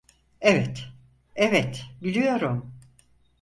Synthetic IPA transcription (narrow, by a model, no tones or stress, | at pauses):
evɛt̪ | evɛt̪bilʲijo̞ɾum